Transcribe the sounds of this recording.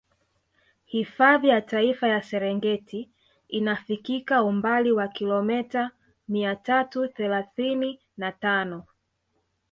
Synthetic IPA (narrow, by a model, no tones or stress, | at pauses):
hifaðijataifajasɛɾɛŋɡɛti | inafikikaumbaliwakilɔmɛta | miatatuθɛlaθini | natanɔ